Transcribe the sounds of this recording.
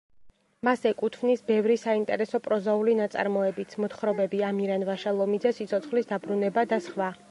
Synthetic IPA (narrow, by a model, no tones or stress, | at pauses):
masɛkʼut̪ʰvnisbɛvɾisaint̪ʼɛ̰ɾɛsɔpʼɾɔzaulinat̪sʼa̰ɾmɔɛbit̪sʰmɔt̪χɾɔbɛbiamiɾanvaʃalˠɔmid̪zɛsit̪sʰɔt̪sʰχlisd̪abɾunɛbad̪asχwa